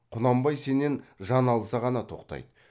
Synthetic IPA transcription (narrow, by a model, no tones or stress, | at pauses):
qʰʊnɑmbɑjse̞nenʒɑnɑlˠsɑʁɑnɑt̪ʰo̞̰qt̪ɑ̰jd̪ə